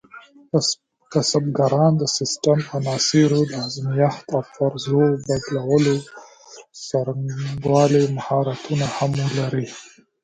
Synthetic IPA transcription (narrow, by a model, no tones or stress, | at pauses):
kasabɡaɾɑnd̪əsɪsʈamanɑsiɾod̪əazmijaht̪awfaɾzobad̪lawəlo | saɾŋɡwɑlemahɑɾat̪unahaməlaɾi